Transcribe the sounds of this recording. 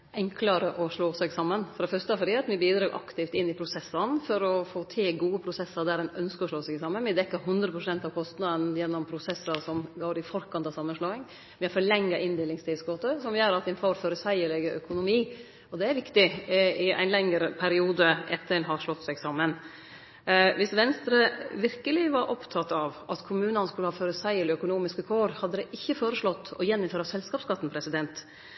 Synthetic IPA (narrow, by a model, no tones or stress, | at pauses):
ʔɛŋkʰlɑɾəʔɔʂɭoːsɛɡsɑmːənfɔɾɑɛfœɾʂt̪əæɾfɔɾiːɑt̪ʋɪbiːd̪ɾɑːɾʔɑ̰kt̪ɪft̪ɪnːɪpʰɾʊsɛsːənfɔɾɔfoːt̪ʰɪɡuːəpʰɾʊsɛsːɑɾd̪æɾɛnœnskəɾɔʂɭoːsɛɡɪsɑmːənʋɪd̪ɛkːəɾɦʉnd̪ɾəpʰɾʊsɛnt̪ɑʋkʰɔst̪nɑd̪ənjɛnːɔmpʰɾʊsɛsɑsɔmɡoːɾɪfɔɾkʰɑnt̪ɑsɑmːənʂloːɪŋ | ʋɪhɑɾfɔɾɭɛŋːɑʔɪnd̪eːlɪŋst̪ʰɪlsɡɔt̪əsɔmjøːɾɑt̪ʋɛnfoɾfɔɾəsæɪəɭɛɡəʔœkʊnʊmiː | ɔd̪ɛæɾʋɪkt̪ɪɪæ̰ɪnlɛŋːəɾəpʰæɾɪuːd̪əʔɛt̪ːəɾɛnɦɑʂlɔt̪ːsæɡsɑmːən | ʋɪsʋɛnst̪ɾəʋɪɾkəlɪʋɑɾʔɔpt̪ʰɑt̪ːɑʋʔɑt̪kʰʊmʉːnɑnskʉləhɑːføɾəsæɪələœkʊnuːmɪskəkʰoːɾhɑd̪ːəd̪ɛʔɪçːəfoːɾəʂɭɔt̪ːɔ̰jɛnːɪmføːɾəɑsɛlskɑːpskɑt̪ːn̩pʰɾɛsɪd̪ɛnt̪